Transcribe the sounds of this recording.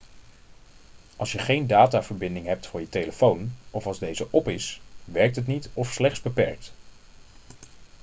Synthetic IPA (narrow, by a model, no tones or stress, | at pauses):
ɑlˠsjəχejndaːtaːvəɹbɪndɪŋɦɛp̚tfʊːɹjətejləfownʔɔfɑlˠzdejzəʔɔpɪsʋɛɹk̚tɦət̬nitɔfslɛχtsbəpɛɹk̚t